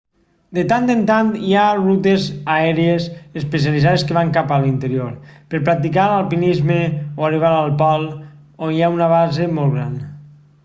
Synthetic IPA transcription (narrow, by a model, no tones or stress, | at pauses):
d̪et̪and̪ent̪ant̪iarut̪ezaɛɾiezespes̬ializaðeskəβaŋkapalint̪əɾioɾpəɾpɾak̚t̪̬ikaɾalˠpinizmeoariβ̞aɾalˠpɔlˠ | onjaunaβazemɔlˠɣɾa̰n